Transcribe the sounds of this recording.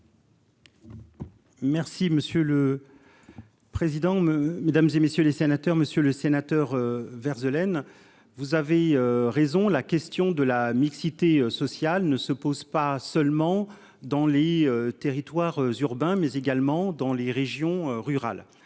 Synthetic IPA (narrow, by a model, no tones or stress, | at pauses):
mɛʁsiməsjølə | pχezid̪ɑ̃med̪amzemesjølesenat̪œʁməsjøləsenat̪œʁøvɛʁzəlɛn | vuzaveøʁezɔ̃lakʲɛst̪jɔ̃d̪əlamiksit̪eøsɔsjalnəsəpozpasœlmɑ̃ | d̪ɑ̃leøt̪eʁit̪waʁøzyʁbɛ̃mɛzeɡalmɑ̃d̪ɑ̃leʁeʒjɔ̃øʁyʁa̰l